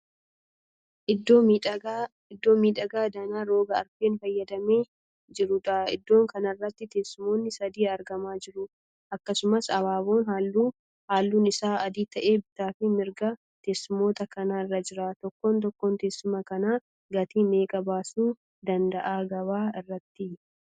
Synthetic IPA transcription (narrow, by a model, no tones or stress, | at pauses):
ɪd̪ːo̞ːmiːᶑ̪ɐɡaːd̪ɐnaːɾo̞ːɡɐːɾfeːnfɐjːɐd̪ɐmeː | d͡ʒɪɾʊᶑaɪ̰d̪ːo̞ːŋkɐnɐrːɐt̪ːɪt̪ɛsɪmo̞ːnːɪsɐd̪iːɐɾɡɐmaːd͡ʒɪɾʊ | ʔɐkːɐsʊmɐsɐβaːbo̞ːnɦauː | haːlːuːnɪsaːɐd̪iːt̪ɐʔe̞ːbɪt̪aːfɪmɪɾɡɐ | t̪ɛsːɪmo̞ːt̪ɐkɐnaːɪrːɐd͡ʒɪɾaːt̪ɔkːoːnt̪̬ɔkːoːnt̪ɛsːɪmɐkɐnaː | ɡɐt̪iːme̞ːkʼɐbaːsuː | d̪ɐnd̪ɐʔaːɡɐbaːɪrːɐt̪ːɪ